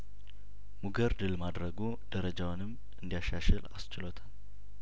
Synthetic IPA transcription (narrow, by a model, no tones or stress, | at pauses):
muɡəɾd̪ɨlmad̪ɾəɡo | d̪̥əɾəd͡ʒawʊnɨm | ɨnd̪ijaʃaʃɛla̰st͡ʃɪlot̪ʰal